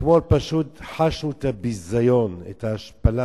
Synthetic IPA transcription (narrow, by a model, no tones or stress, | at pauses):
kmolpaʃut̪ħaʃnut̪abizajonḛt̪aaʃpala